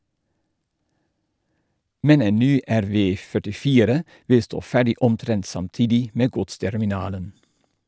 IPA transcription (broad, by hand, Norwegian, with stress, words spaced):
ˈmɛn ˈeːn ˈnyː æɾˈʋeː fœʈɪˈfiːɾə ˈʋɪ ˈstoː ˈfæːɖɪ ɔmˈtɾɛnt sɑmˈtiːdɪ ˈmeː ˈɡʊtstɛɾmɪˌnɑːlən